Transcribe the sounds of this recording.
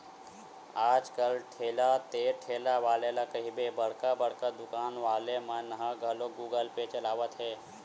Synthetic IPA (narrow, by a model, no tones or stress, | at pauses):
aːd͡ʒkəlʈʰeːlat̪eːʈʰeːlaʋaːlelakɐɦibebɐɽ̤kabəɽ̤kad̪ʊkaːnʋaːlemãnɐɦãɡʱɐloɡuːɡəlpet͡ʃɐlaːʋət̪ɦɛː